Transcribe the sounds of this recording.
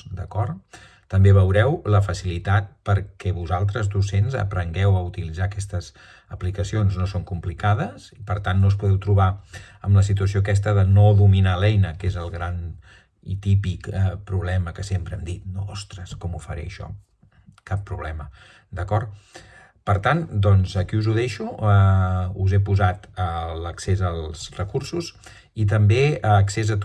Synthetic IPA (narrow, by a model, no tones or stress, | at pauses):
d̪əkɔr | t̪əmbeβ̞əwɾɛwləfəsilit̪at̪̚pəɾkɛβuzalˠt̪̬ɾəzd̪usenzə̰pɾəŋɡɛwəut̪ilid͡zakɛst̪əz | əplikəsionznosoŋkumplikað̞əzipəɾt̪anːos̬puðɛwt̪ɾuβaəmləsit̪uəsijoəkɛs̬t̪əðənoðuminalɛjnəkezəlˠɣɾan | ḭt̪ipikəpɾuβlɛməkəsempɾəɛmd̪it̪̚noɔst̪ɾəskɔmufəɾɛ̰ʃɔ̰ | kapːɾuβlɛmə | d̪əkɔrt | pəɾt̪and̪ɔnzəkiuzuðɛʃu | uzɛpuzat̪ələksezəlˠzrəkuɾsuz | it̪̬əmbeksezət̪